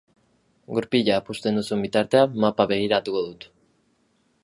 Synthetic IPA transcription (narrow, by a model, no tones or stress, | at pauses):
ɡuɾpiʎaːpust̪e̞nd̪usuembit̪aɾt̪e̞amːapaβe̞ɣ̞iɾat̪ukoðut̪